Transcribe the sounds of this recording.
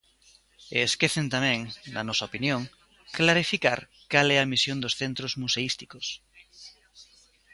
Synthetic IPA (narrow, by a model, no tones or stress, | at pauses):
eskeθẽnt̪amɛ̃ŋnɐ̰nɔsaopinjõŋ | klaɾifika̰ɾ | kalɛɐmisjõnd̪osθent̪ɾozmuseist̪ikos